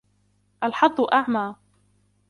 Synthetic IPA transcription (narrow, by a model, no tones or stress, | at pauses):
ʔalħɑd̪ˤːʊʔaʕmaː